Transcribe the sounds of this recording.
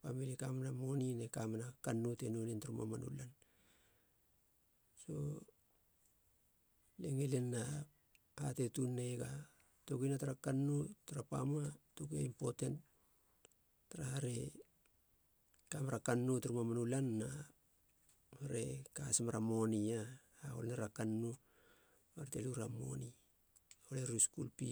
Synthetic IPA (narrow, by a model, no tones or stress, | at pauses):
pamilikamanamoninekamanakanːutenunentaɾuma̰manṵlan | so̞̰ | leŋelenːa | atetunːeɡa | tokinataɾakanːutaɾapa̰matokuaimpo̞tent | taɾahaɾe̞ | kamaɾakanːutaɾumamanulanːa | haɾe̞kasemaɾamo̞nia | ao̰lnaɾakanːu | aɾteluɾamo̰ni | oleɾuskṵlpi